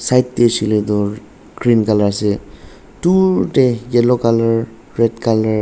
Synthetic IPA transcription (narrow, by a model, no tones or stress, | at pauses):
sajt̚ːesiled̪ɔ | ɡɾinkalase | tuʈejɛlɔkalaɹ | ɹedkala